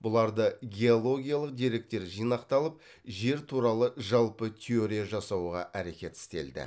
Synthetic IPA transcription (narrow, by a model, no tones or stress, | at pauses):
bʊlˠɑɾd̪əɡʲe̞olˠo̞ɡʲijalˠəq̚d̪e̞ɾe̞k̚t̪e̞ɾʒijnɑqt̪ɑlˠəp | ʒe̞ɾt̪ʰuɾɑlˠəʒɑlˠpət̪ʲʰeo̞ɾijaʒɑsɑwʁɑ̰ʔæɾe̞kʲe̞t̪ɪ̥st̪e̞̰ld̪ɪ̰